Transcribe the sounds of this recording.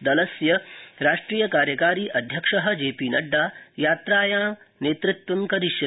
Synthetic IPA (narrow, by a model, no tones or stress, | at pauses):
d̪ɐlɐsjɐɾaːʂʈɾiːjɐkaːɾjɐkaːɾiːʔɐd̪ʱjɐkʂɐɦɐ̆d͡ʒeːpiːnɐɖːaːjaːt̪ɾaːjãː | neːt̪ɾɪt̪ʋɐŋkɐɾiʃjɐ